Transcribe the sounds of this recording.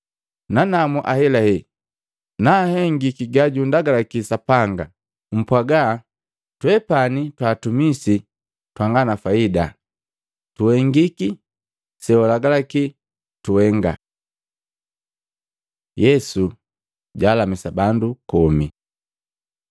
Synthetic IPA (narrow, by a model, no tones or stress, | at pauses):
nanamuʔahɛlahɛ | naːhɛŋɡikiɡaɟundaɡalakisapaŋɡa | m̩pwaɡa | twɛpanitwaːtumisi | twaŋɡanafaida | tuhɛŋɡiki | sɛɔlaɡalaki | tuhɛŋɡa̰ | jɛsu | ɟaːlamisabandukɔmi